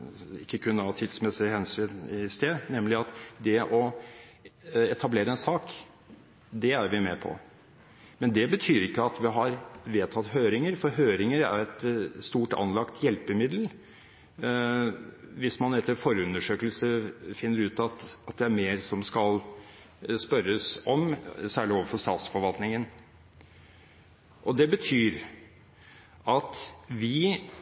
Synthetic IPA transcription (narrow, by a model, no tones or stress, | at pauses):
ɪkːəkʰʉnːəhɑːt̪ʰɪd̪smɛsɪhɛnsyːnɪst̪eːd̪nɛmlɪɑt̪d̪ɛʔɔ | ɛt̪ʰɑbleːɾəɛnsɑːk | d̪ɛæɾʋɪmɛpʰɔ̰ | mɛnd̪ɛbət̪ʰyːɾɪkːəɑt̪ʋɪɦɑɾʋeːt̪ʰɑt̪ːhøːɾɪŋəɾfɔɾɦøːɾɪŋəɾæ̰ɾɛt̪st̪uːʈɑ̰nlɑkt̪ʰjɛlpəmɪd̪l̩ | ʋɪsmɑnɛt̪ːəɾfɔɾəʉnəʂøːkəlsəfɪnːəɾʉːt̪ɑt̪ɑt̪̚d̪ɛæɾmeːɾsɔmskɑl | spœɾːəsɔmsæːɭɪoːʋəɾfɔʂst̪ɑ̰ːt̪sfɔɾʋɑlt̪nɪŋən | ʔɔd̪ɛbət̪ʰyːɾ | ʔɑt̪ʋɪ